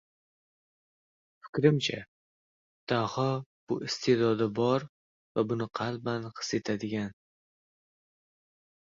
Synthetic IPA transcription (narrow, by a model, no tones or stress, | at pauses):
fɪ̥kʲɾɪmt͡ʃʰa̰ | d̪̥ahɒb̥ʊ̰ʔɪst̪ʰed̪ɒd̪ɪbɒɾ | vabʊnɪqʰɑlbanqɨ̥set̪ʰad̪ɪɡʲan